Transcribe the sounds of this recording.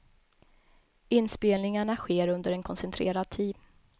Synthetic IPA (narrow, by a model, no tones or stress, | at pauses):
ɪnspeːlnɪŋaɳaɧeːɾɵnd̪əɾɛnkʰɔnsɛnt̪ʰɾḛːɾad̪̚t̪ʰiːd̪